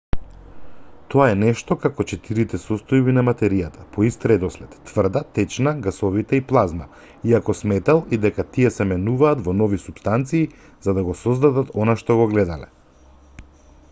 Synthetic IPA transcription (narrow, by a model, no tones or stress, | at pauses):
t̪ɔaɛnɛʃt̪ɔkakɔt͡ʃɛt̪iɾit̪ɛsɔst̪ɔjbinamat̪ɛɾijat̪ḁpɔist̪ɾɛd̪ɔslɛt̪ːvr̩d̪at̪ɛt͡ʃnaɡasɔvit̪ɛiplˠazma̰ | iakɔsmɛt̪alˠid̪ɛkat̪iɛsɛmɛnuvaːt̪vɔnɔvisupst̪ant̪siː | zad̪aɡɔsɔzd̪ad̪at̪ɔnaʃt̪ɔɡɔɡlɛd̪alɛ̰